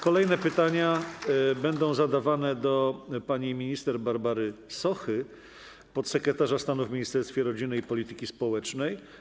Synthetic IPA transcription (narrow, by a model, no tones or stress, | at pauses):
kɔlɛjnɛpɘt̪aɲa | bɛnd̪ɔ̃w̃zad̪avanɛd̪ɔpaɲimʲiɲist̪ɛɾbaɾbaɾɘsɔxɘ | pɔt̪sɛkɾɛt̪aʐast̪anuvmʲiɲist̪ɛɾst̪fʲjɛɾɔd͡ʑinːɘipɔlʲit̪ɘ̥kʲispɔwɛt͡ʂnɛj